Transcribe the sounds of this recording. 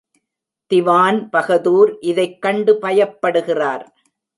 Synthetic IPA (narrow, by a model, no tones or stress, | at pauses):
t̪ɪʋaːnpɐɣɐðuːɾʔɪðɐɪkːɐɳɖɯpɐjɐpːɐɽɯɣɪraːɾ